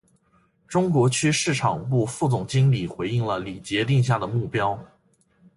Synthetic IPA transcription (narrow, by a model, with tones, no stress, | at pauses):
ʈ͡ʂʊ˥ŋkwɔ˧˥t͡ɕʰy˥ʂɻ̩˥˩ʈ͡ʂʰɑ˨˩ŋpu˥˧fu˥˩t͡sʊ˨˩ŋt͡ɕi˥ŋli˨˩xwe˧˥ɪi˥˩ŋlə˩li˨˩t͡ɕjɛ˧˥t̪̬i˥˧ŋɕ̬ja˥˩d̪ə˩mu˥˩pjɑ˥ʊ